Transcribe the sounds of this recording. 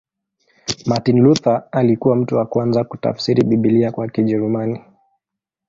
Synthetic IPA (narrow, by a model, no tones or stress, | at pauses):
matinluθaalikuwam̩tuwakwanzakuta̰fsiɾiɓiɓiliakwakiʄɛɾumani